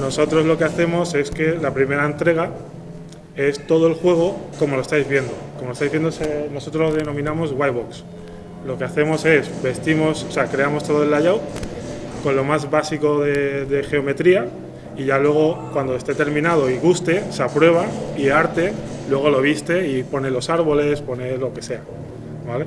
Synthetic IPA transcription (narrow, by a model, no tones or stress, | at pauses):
no̞so̞t̪ɾo̞zlo̞keaθe̞mo̞se̞ske̞lapɾime̞ɾaent̪ɾe̞ɣ̞a | e̞st̪o̞ð̞o̞e̞lxwe̞ɣ̞o̞ko̞molo̞e̞st̪ajzβje̞nd̪o̞komolost̪ajzβje̞nd̪oseno̞sot̪ɾozðe̞no̞mĩnamo̞zɣwajβoks | lo̞keaθe̞mo̞se̞sbe̞st̪imo̞sose̞akɾe̞amo̞st̪o̞ðoelaʎaw | ko̞nlo̞mazβasiko̞ðe̞ðe̞xe̞o̞me̞t̪ɾia | iʝalwe̞ɣ̞o̞kwand̪oe̞st̪e̞t̪e̞ɾmĩnað̞o̞iɣ̞ust̪e̞sapɾwe̞β̞aiaɾt̪e̞lwe̞ɣ̞o̞lo̞β̞ist̪e̞ipo̞ne̞lo̞saɾβ̞o̞le̞spo̞ne̞lo̞ke̞se̞a | bale̞